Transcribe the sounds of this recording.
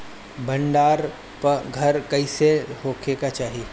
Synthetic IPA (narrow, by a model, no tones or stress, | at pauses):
bɐ̃ɳɖaːɾ | pɐɡʱɐɾkɐiseɦoːkʰekat͡ʃaːɦii